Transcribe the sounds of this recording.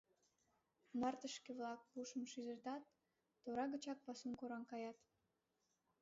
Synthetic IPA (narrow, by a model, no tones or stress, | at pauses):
nɑrt̪əʃkeβlɑk̚puʃəmʃyzə̆rt̪ɑt̪̚ː | oɾɑɣət͡ɕɑk̚pɑsumkoɾɑnkɑjɑt̪